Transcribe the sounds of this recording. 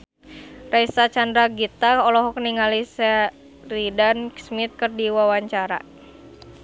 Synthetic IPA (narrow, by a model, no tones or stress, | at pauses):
raisat͡ʃandɾaɡit̪aɔlɔɦɔk̚niŋalisɛ | ridanksmit̪̚kɨrdiwawaɲt͡ʃaɾa̰